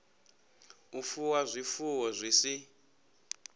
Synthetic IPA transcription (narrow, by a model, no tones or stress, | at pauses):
ufuwazʷifuwɔzʷisi